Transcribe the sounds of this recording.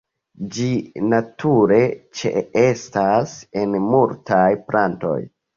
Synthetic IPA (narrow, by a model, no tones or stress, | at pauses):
d͡ʒinatʰuɾe̞t͡ʃḛe̞stasenmultajplanto̞̰j